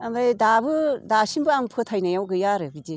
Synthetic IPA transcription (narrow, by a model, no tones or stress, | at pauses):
amadabɯdasimbɯaŋpʰɯtʰajnajawɡɯjaɾɯɡid͡ʒe